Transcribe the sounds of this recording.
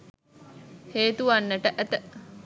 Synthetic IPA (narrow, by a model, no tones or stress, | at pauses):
heːt̪uʋanːəʈəʔæt̪ə